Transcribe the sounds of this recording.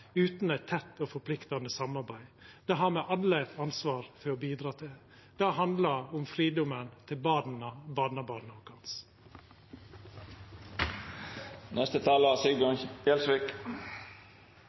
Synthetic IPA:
ʉːt̪n̩æɪt̪ʰɛt̪ːoːfɔpʰlɪkt̪ɑnəsɑmɑɾbæɪd̪̥eːɦɑɾmɛʔɑnlət̪ʰɑnsʋɑːɾfɔɾoːbiːd̪ɾɑːt̪ʰɪ | d̪̥æːɦɑnd̪lɑʊmfɾiːd̪ʊmənt̪ʰɪlbɑːd̩̪ɑbɑːnəbɑːnəɔkɑns | nɛst̪ət̪ʰɑːləɑsɪɡɔɛlsʋɪk

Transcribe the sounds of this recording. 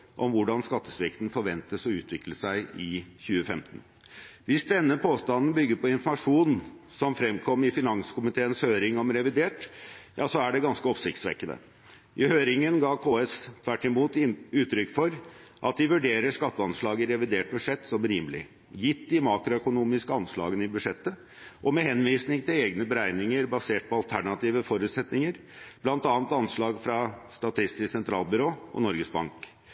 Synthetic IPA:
ʔɔmʋʊɖɑnskɑt̪ːəsʋɪkt̪n̩fɔɾʋɛnt̪əsɔʉːt̪ʰʋɪkləsæɪɪçʉːəfɛmt̪n̩ | ʋɪsd̪ɛnːəpʰoːst̪ɑnn̩bʏɡːəɾpʰɔɪnfɔmɑʂuːnsɔmfɾɛmkʰɔmːɪfɪnɑŋskʊmɪt̪ʰeːənshøːɾɪŋɔmɾɛʋɪd̪eːʈjɑːsɔæɖɛɡɑnskəɔpsɪkt̪sʋɛ̰kːənə̰ | ʔɪhøːɾɪŋənɡɑːkʰoːɛst̪ʰʋæʈːɪmuːt̪ʉːt̪ʰːɾʏkːfɔɾʔɑt̪̚d̪ɪʋʉɖeːɾəʂkɑt̪ːəɑnʂɭɑːɡɪɾɛʋɪd̪eːʈ̚bʉʂɛt̪ːsɔmɾiːmlɪ̰ | jɪt̪ːd̪ɪmɑːkɾʊœkʊnuːmɪskəɑnʂɭɑ̰ːɡənɪbʉʂɛt̪ːə | ʔɔmɛhɛnʋiːsnɪŋt̪ʰɪlɛːɡnəbəɾæɪnɪŋəɾbɑseːʈ̚pʰɔɑlt̪ʰæɳɑt̪iːʋəfɔɾʉːt̪sɛt̪nɪŋəɾ | b̥lɑnt̪ɑːnt̪ɑnʂɭɑːɡfɾɑst̪ɑt̪ʰɪst̪ɪsɛnt̪ʰɾɑ̰ːlˠbʏɾoːɔ̰nɔɾɡəsbɑ̰ŋk

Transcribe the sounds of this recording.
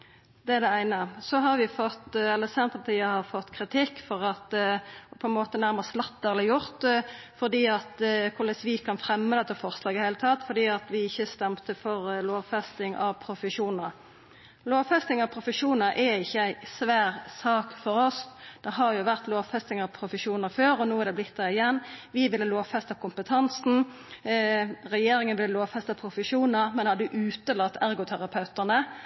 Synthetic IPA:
d̪̥ɛæʁd̪ɛæɪnəsɔɦɑɾʋɪfɔt̪ːɛlːəsɛnt̪əpʰɑt̪ʰiːəhɑʁfɔt̪ːkʰʁɪt̪ʰɪkːfɔʁɑt̪pʰɔɛnmoːt̪ənæʁməʁslɑt̪ːəʁɛləjʊʁt̪ | fɔʁd̪iːɑt̪kʰʊləsʋɪkʰɑnfɾɛmːəd̪ɛt̪ːəfɔɾslɑːɡɪhæɪlət̪ʰɑt̪fɔʁd̪iːɑt̪ʋɪɪçːəst̪ɛmt̪əfɔʁloːʋfɛst̪ɪŋɑ̰ʋpʰɾʊfəʃuːnɑ | loːʋfɛst̪ɪŋɑʋpʰɾʊfəʂuːnɑɾʔɛɪçːəæɪsʋæːʁsɑːkfɔɾɔsd̪̥ɛɦɑʁjʊʋæʁt̪loːʋfɛst̪ɪŋɑʋpʰɾʊfəʃuːnəføːɾɔnuːæʁd̪ɛblɪt̪d̪ɑɪjɛnːʋɪʋɪlːəloːʋfɛst̪ɑkʰʊmpət̪ʰɑnsn̩ | ʁɛjeːɾɪŋənʋɪlːəloːʋfɛst̪ɑpʰʁʊfəʃuːnəmɛnhɑd̪ʉʔʉːt̪əlɑt̪ːæʁɡʊt̪ʰæʁɑpʰɑʉt̪æʁnə

